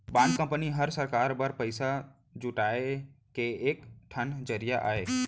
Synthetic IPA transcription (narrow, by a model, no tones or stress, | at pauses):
bãːnkːə̃mpəniɦəɾsəɾkaːɾbəɾpəɪsa | d͡ʒuʈaːekeːkʈʰənd͡ʒəɾijaʔa̰ːɦeː